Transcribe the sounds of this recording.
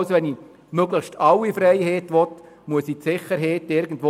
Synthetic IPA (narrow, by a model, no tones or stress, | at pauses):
sʋɛni | møɡləχʃtʰɑlːifɾɛjhɛːtʋɔt | muəsitsɪχəɾɦɛːtɪɾɡ̥ən̩dʋo